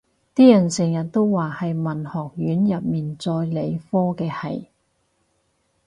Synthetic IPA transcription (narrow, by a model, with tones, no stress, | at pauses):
t̪iː˥jɐ˨˩nsɪ˨˩ŋjɐ˨t̚t̪o˥wwaː˨hɐ˨jmɐ˨nhɔː˨k̚jyː˨˥njɐ˨p̚miː˨nt͡sɔː˧jle˨˧jfɔː˥kɛː˧hɐ̰˨j